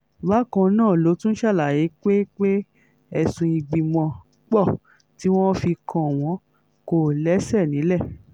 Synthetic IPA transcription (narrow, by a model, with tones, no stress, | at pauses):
ba˨˦kã˧nãː˦˨lo˨˦tũ˦n̩˦ʃa˦˨la˨je˨˦k͡pe˦k͡pe˦ | ɛ˧sũ˧i˧ɡ͡bi˨mɔ̃˧ | k͡pɔ˦˨ | ti˨˦w̃ɔ̃˦fi˧kʰã˧˨w̃ɔ̃˨˧˦ | ko˦˨lɛ˨˦sɛ˦˨nĩ˨˦lɛ˦˨